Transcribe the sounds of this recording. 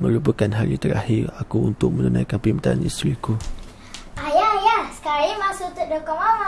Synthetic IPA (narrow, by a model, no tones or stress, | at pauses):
məɾupəkanɦaɾḭt̪əɾa̰hɪrakuunt̪ʊʔ̚mənənã̰jkanpimt̪a̰a̰nḭst̪ɾiku | ajajasə̥kaɾimasut̪uʔ̚dokɔŋama